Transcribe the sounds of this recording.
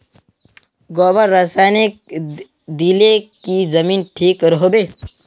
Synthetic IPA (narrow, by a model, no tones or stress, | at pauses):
ɡɔːbəɾːɐsaːnek | d̪ilekizɐmiːnʈʰiːkɾɦobeː